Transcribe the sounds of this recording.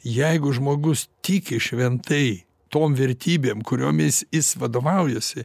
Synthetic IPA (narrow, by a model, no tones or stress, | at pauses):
jɛɪɡʊʒmoːɡʊst̪ʲiːkʲɪʃʲʋʲɛnt̪ɐɪ | t̪oːmʋʲɛɾʲt̪ʲiːbʲeːmkʊɾʲoːmʲɪsjɪsʋɐd̪oːʋɐʊjɛsʲɪ